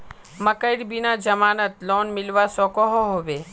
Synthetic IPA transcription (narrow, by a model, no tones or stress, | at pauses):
məkəɪɽbinad͡ʒəmaːnət̪loːnmɪlʋasɔkɔɦɔɦoʋe